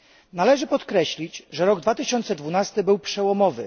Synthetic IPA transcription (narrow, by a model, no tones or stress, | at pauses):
nalɛʐɘpɔt̪kɾɛɕlʲit͡ɕʐɛɾɔɡd̪vat̪ɘɕɔnt̪sɛd̪vunast̪ɘbɘwpʂɛwɔmɔvɘ